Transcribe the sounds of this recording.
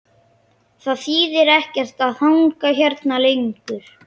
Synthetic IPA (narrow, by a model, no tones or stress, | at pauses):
θaðfiːðɪɾɛhcɛr̥t̪aðθawŋkaçɛɾt̪nalejŋkʏɾ̥